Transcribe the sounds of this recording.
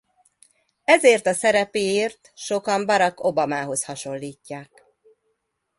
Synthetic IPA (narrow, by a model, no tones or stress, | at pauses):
ɛzeːrt̪ɒsɛɾɛpeːeːrt̪ʃo̞kɒmbɒɾɒko̞bɒmaːɦo̞shɒʃo̞lːiːcːaːk̚